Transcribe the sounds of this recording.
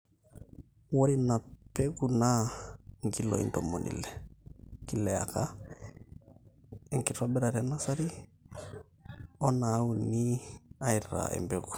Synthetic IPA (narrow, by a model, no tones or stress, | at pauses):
woɾinapeɡuna | ŋkilo̰ḭntomonḭlɛkilɛa̰ka | ɛŋkitabɛɾaɾɛnasaɾi | ɔnaːuniaiɾa̰ɛ̰mbeɡu̥